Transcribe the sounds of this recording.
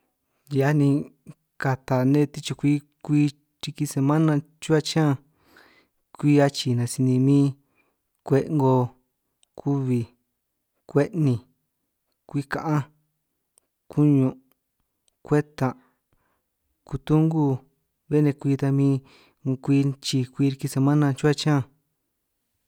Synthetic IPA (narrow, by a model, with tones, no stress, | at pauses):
ja˧nĩ˧ | ka˧t̪a˨nẽ˦t̪i˦t͡ʃo˧kʷiː˦ | kʷiː˦˧ | t͡ʃi˧ki˧se˧mã˦nã˧ | t͡ʃu˦a˦˧t͡ʃã˦ | kʷiː˦a˧t͡ʃi˨nã˨˧si˧nĩ˧mĩː˦ | kʷe˧ʔŋɡo˧ | kʰu˦βi˧ | kʷe˦ʔnĩ˨ | kʷi˦kã˨ʔã˦ | ku˦ɲũ˧ | kʷe˦t̪ã˨ | ku˧t̪u˦ŋɡu˦˧ | βe˦nẽ˧kʷiː˧t̪a˧mĩː˧ | kʷi˧t͡ʃi˧kʷiː˧ɾi˧ki˧se˧mã˦nã˧t͡ʃu˦a˦t͡ʃã˦˨